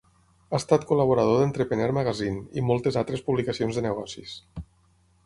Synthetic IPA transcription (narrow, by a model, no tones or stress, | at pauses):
ast̪at̪kulaβuɾað̞oðent̪ɾəpeneɾməɣazinḭmɔlˠt̪ezat̪ɾespuβlikasionzðənəɣ̞ɔsis